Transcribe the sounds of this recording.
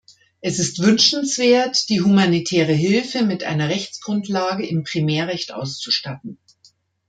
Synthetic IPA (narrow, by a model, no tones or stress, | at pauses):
ʔɛsɪstv̥ʏnʃn̩sv̥eːɐtd̥iːɦumanitʰɛːʁ̞əɦɪlfəmɪtʔa̰ɪnɐʁɛçt͡sɡ̥ʁʊntlaːɡəʔɪmpʁ̥imɛːɐʁɛçtʔa̰ʊst͡su̥ʃtatn̩